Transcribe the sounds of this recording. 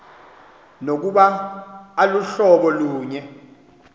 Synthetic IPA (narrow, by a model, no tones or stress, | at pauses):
nok̬uɓaː | luɬɔɓɔluːɲɛ